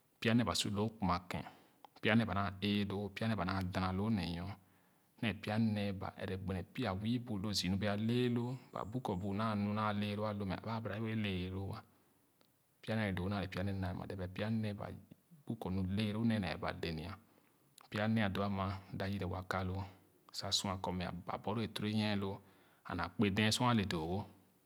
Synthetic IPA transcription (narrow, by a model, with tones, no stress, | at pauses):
pi˦a˦nɛ̃˦˨ba˨su˦lo˨˦ku˨ma˨kɛ̰̃˨ | pi˦a˦nɛ˦ba˨ã˦˨e˦do˦pi˦a˦nɛ˦˨ba˨nã˦˨dã˨na˨lo˦nɛ̰˨jɔ̃˦ | nɛ˨pi˦a˦nɛ˦ba̰˨ʔɛ̰˨ɾɛ˨ɡ͡be˨nɛ˨pi˦a˨wi˦bu˨lo˦˨zi˨nũ˦bi˦a˨le˦lo˦ba̰˨bu˦kɔ˨bu˨˦nã˦˨nũ˨˦nã˦˨le˦lo˦a˦lo˦mɛ̰˨a̰˨ba˦bɾa˨˦i˦we˦le˨ɾo˦wa˦ | pi˦a˦nɛ˨ɾɛ˨do˨o˦na˨e˨pi˦a˨˦nɛ˦na˨ɛ˨ma̰˨dɛ˨bɛ˨pi˦a˦nɛ˦ba̰˨bu˦kɔ˨nũ˨le˦ɾo˦nɛ˦˨nɛ̰˨ba̰˨de˨ni˨a˨ | pi˦a˦nɛ˦a˨do˨˦a˦ma˧da˨ji˦dɛ˨wa˨ka˦lo˦˨ | sa˨sũ˦a˨kɔ˧mɛ˨a̰˨ba̰˨bɔ˨˦ɾo˦e˨tɾe˦ɲɛ̃˦lo˦ | a̰˨na˨k͡pe˦dɛ̃˦su˦a˦˨le˨do˨ɡo˦